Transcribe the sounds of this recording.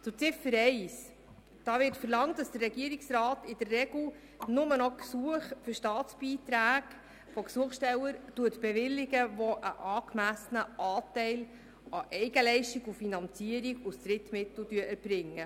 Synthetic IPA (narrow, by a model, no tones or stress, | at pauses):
t͡sʊɾt͡sɪfəɾɛɪs | d̥ɑːʋɪtfəɾlɑŋtd̥ɑsd̥ərːɛɡiəɾiksrɑːtɪd̥ərːɛɡl̩ | nʊmənɔksuəχfɵɾʃtɑːt͡sbiːtɾæːɡ | fɔksuəχsʃtɛwəɾtuətb̥ɛʋɪlːɪɡəʋɔʔə̰ʔɑːkmæsənəʔɑːtɛɪl | ɑʔɛɪɡəlɛɪʃtiɡufinɑnt͡siəɾikusdɾɪtmɪt̪l̩ˠdyəʔɛɾb̥ɾɪŋːə